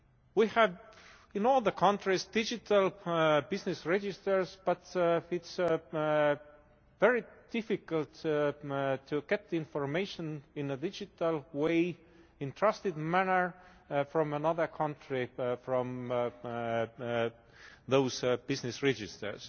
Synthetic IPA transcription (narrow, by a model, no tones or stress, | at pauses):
wihæv | ɪ̃noːlˠðəkʰɑ̃ntɹɪsd̪̥ɪd͡ʒɪtʰəlbɪznɨsɹɛd͡ʒɪstə˞sb̥ʌtɪts | vɛɹid̥ɪfɪkəlt | tʰːuɡ̥ɛt̪ðɪ̃nfɔɹmeɪʃə̃nɪ̃nədɪd͡ʒɪt̪əlweɪ | ɪ̃ntʰɹ̥ast̪ɨdmænə˞ | fɹɔ̃mənʌðə˞kʰʌ̃ntɹifɹɔ̃m | ðoʊzb̥ɪznɨsɹɛd͡ʒɪstə̰˞s